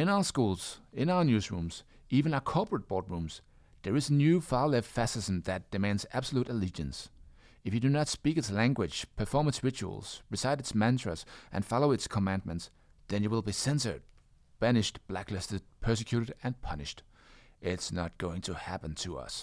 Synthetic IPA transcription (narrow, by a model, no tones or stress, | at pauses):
ɨ̃naʊə˞skulˠz̥ɪ̃naʊə˞njʉzɹṵ̃mz̥ | ivɨ̃naʊə˞kʰɔɹpɹɨt̚b̥ɔɹd̚ɹũmz̥ | ðə˞ɨzənjʉfɑlɛv̥fæsɪz̃m̩ðɨt̚d̥ɨmæ̃ndzæb̥səluɾɨlid͡ʒɨ̃ns | ɨfjɨdɨnətspikɨtslæ̃ŋɡwɪd̥ʒ̥pʰə˞fɔɹmɨtsɹɪt͡ʃṵə̰l̩ˠz̥ɹɨsaɪɾɨtsmæ̃ntɹ̥ɨ̰sʔɨ̰̃nfɑlˠoʊɨtskʰəmæ̃nd̚mɨ̃nts | ðɨ̃njɨwəlˠbisɛ̃nsə̰˞d̚ | b̥ænɨʃtb̥læklɪstɨd̚pʰɜ˞sɨkʰj̥ʉɾɨɾɨ̃npʰʌnɨʃt | ʔɪtsnət̚ɡ̥oʊɪ̃ŋtʰɨhæpə̃n̩tʰɨʌ̰s